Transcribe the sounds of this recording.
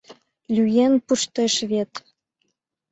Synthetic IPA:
lʲyjenpuʃt̪eʃβʲet̪

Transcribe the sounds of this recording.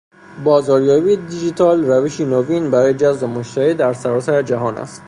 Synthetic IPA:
bɒːzɒɾjɒːbid̪id͡ʒit̪ʰɒlɾæviʃinovinbaæɾɔjed͡ʒazd̪omoʃt̪æɾid̪æɾsaɾɒsæɾed͡ʒaɦɒːnæ̰st̪

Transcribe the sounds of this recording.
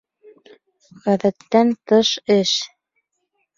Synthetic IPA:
ʁæðæt̪ːænt̪ɤʃɘʃ

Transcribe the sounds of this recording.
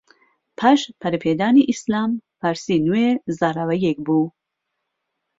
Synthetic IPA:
pʰaʃpʰɐɾipʰeːd̪aːniʔislaːmpaɾsiːnuezaɾavɐjek̚bu

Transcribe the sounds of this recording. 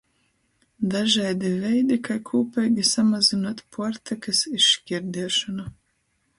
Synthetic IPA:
d̪aʒajd̪ivɛjd̪ikajkʰuːpɛjɡʲisamazinoɔt̪pʰuɔɾt̪ʰakasiʃkʲiɾd̪iɛʃɔna

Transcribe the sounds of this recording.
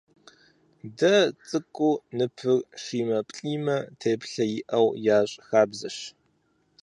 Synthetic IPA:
dɐt͡sʼɨkʷʼuːnɨpʰɨrʂiːmɐpʼɬʼiːmɐtʰeːpɬɐjɪʔɐwjaːɕʼxaːbzɐʃ

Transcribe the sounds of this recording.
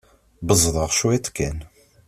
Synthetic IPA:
bəzˤðˤəʁʃuwæt̪kːæn

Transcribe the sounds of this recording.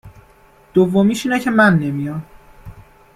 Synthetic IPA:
d̪̥ovːomiːʃiːnɛcʰemænːe̞mijɒːn

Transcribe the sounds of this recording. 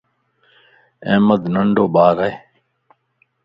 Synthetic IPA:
ẽːməd̪nəɳɖoːbaːɾae

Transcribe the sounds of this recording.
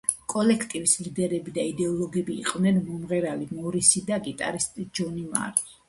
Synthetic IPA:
kʼɔlɛkʰt̪ʼivislid̪ɛɾɛbid̪aid̪ɛɔlˠɔɡɛbḭːqʼvnɛnmɔmʁɛɾalimɔɾisid̪aɡit̪ʼa̰ɾist̪ʼid͡ʒɔnima̰ɾ

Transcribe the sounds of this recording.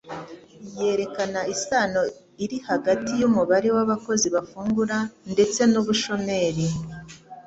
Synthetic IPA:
je̞ːɾe̞kanaisaːno̞ | iɾihaɡatijumuβaɾe̞waβako̞ziβafuːŋɡuɾande̞t͡se̞nuβuʃo̞me̞ːɾi

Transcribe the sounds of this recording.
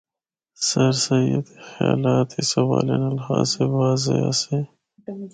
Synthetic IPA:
sɐɾsɐiət̪exja̰ːlaːt̪isɐwaːlenɐlhaːzsewaːzea̰se

